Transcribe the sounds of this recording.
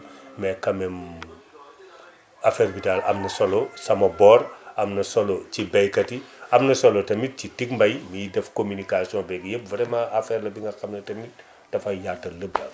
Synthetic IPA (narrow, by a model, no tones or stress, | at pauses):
mɛkɐmɛm | afɛɾbitalɐ̰mnɐsolosɐmɐbɔrɐmnɐsolot͡ʃibɛjkɐtiɐmnɐsolotɐmit̚citik̚mbɐjmidɛfkomynikasiɔ̃bɛɡjep̚vɾɛmɐafɛɾlɐbiŋɡɐxɐmnɐtɐmit | tɐfɐjaːtːɐləbla